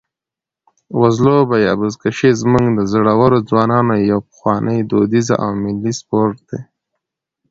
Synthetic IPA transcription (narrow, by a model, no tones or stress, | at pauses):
wazlobajɑbuzkaʃezmuŋɡd̪əzoɽawaɾod͡zwɑnɑnojawpə̥xwɑnʔəjd̪od̪iza̰ʔa̰wmɪlːispoɾʈ̚d̪̥e